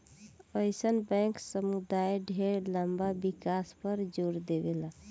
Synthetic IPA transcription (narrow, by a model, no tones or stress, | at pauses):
əɪsənbɛ̃ŋksəmud̪ajɖʱeɽləmbabikaspəɾd͡ʒoɾd̪ebela